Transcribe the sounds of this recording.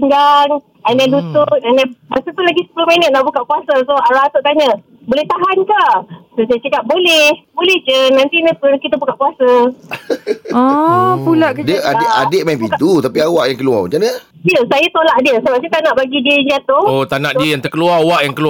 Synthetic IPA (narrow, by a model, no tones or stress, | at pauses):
ŋɡaŋ | analut̪ʊt̪̚anamasət̪ulaɡisə̥pulohmənət̪̚naʔbukaʔkuasəsoaɾaat̪oʔt̪aɲə | bolɛht̪aɦankasosajət͡ʃəkap̚bolɛhbolɛht͡ʃənant̪inəp̪ʊnkit̪əbukaʔkuasə | ɔpulaʔkədəaadeʔ̚mãbiit̪ut̪apiawaʔjaŋkəlua̰t͡ʃanə | diəsajat̪olaʔdiəsəbap̚sajat̪anaʔbaɡidiəiɲd͡ʒat̪oot̪anaʔdiəjaŋt̪ərkəluarawaʔjaŋkəlu